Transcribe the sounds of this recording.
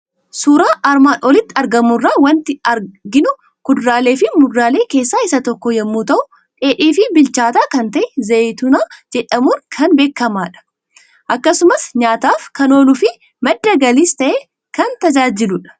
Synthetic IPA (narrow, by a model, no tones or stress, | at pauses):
suːɾaːʔɐɾmaːnɔlɪt̪ːɪɐɾɡɐmʊrːaːwɐnt̪ɪɐɾɡɪnʊ | ɡ̥ʊd̪ɾaːle̞ːfɪmʊdːaːle̞ːke̞ːsːaːɪsɐt̪ɔkːɔjɐmːuːt̪ɐʔʊ | ᶑe̞ːᶑiːfɪbɪlt͡ʃaːt̪aːkɐnt̪ɐʔɛzɐt̪ʊnaːd͡ʒɛᶑɐmʊnkʰɐnbeːkːɐmaːᶑɐ̥ | ʔɐkːɐsʊmɐsɲaːt̪aːfkɐno̞ːlʊfɪ | mɐd̪ːɐɡɐliːst̪ɐʔeː | kɐnt̪ɐd͡ʒaːd͡ʒɪlʊᶑɐ̥